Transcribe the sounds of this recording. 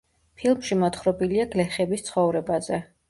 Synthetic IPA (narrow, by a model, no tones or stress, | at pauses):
pʰilˠmʃimɔt̪χɾɔbiliaɡlɛχɛbist̪sʰχɔvɾɛbazɛ